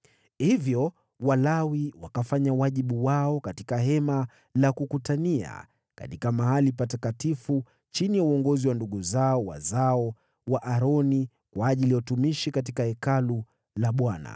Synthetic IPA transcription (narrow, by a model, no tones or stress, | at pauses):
hivjɔ | walawiwakafaɲawaʄiɓuwaɔkatikaɦɛma | lakukutania̰ | ka̰tikamahalipatakatifu | t͡ʃinijauɔŋɡɔziwanduɠuzaɔwa̰zaɔ | waʔaɾɔni | kwaːʄilijautumiʃikat̬ikahɛkalu | laɓwana̰